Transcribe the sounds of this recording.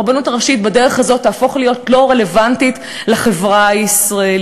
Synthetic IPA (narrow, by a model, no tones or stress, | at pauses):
ʁbanutaʁaʃit̚bade̞ʁe̞χazo̞t̪ːaːfo̞χlijo̞tlo̞ʁe̞le̞vantit | laχe̞vʁaisʁael